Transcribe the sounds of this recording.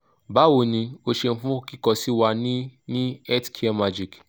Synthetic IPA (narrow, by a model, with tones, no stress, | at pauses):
ba˨˦wo˧˨nĩ˧o˧ʃe˧n̩˦fũ˦o˦˧ki˦kɔ˧si˦wa˧nĩ˦nĩ˦ɛ˦tkʰi˦ɛ˧˦ma˧d͡ʒi˨k